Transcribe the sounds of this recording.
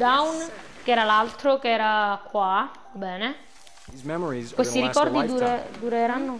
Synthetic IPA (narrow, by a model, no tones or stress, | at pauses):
d̪awn | keɛːɾalalt̪ɾokeɛːɾakːwa | bɛːne | ɛmizkwestt̪iɾiskɔrd̪id̪uɾed̪uɾeɾanːo